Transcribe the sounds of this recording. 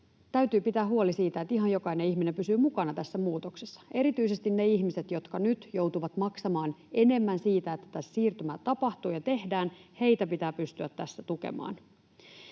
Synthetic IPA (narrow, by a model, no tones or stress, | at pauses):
t̪æyɥt̪yːpit̪æːuolisiːt̪æet̪iɦɑjo̞kɑineiçminempysyːmukɑnɑt̪æsːæmuːt̪oksesːɑ̥e̞ɾit̪yise̞st̪inneiçmise̞t̪jo̞t̪kɑnyt̪jowt̪uʋɑt̪mɑksɑmɑːne̞ne̞mːænsiːt̪æet̪ːæ̥t̪æssiːrt̪ymæːt̪ɑpɑht̪uːjɑt̪e̞hdæːnhe̞jt̪æpit̪æːpyst̪yæt̪ːæsːæt̪ukḛmɑ̰ːn